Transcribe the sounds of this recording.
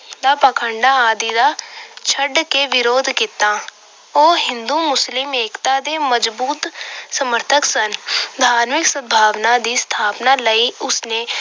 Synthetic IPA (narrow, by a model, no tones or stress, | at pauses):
d̪aːpəkʰəɳɖaːaːd̪iːd̪aːt͡ʃʰəɖkeːʋɪɾoːd̪kɪt̪ːãː | oːɦɪ̃nd̪uːmʊslɪmeːkt̪aːd̪eːməd͡ʒbuːt̪səməɾt̪ʰəksənd̪ʱaːɾmɪksəbʱaːʋnaːd̪iːst̪ʰaːpnaːləiːʊsnẽː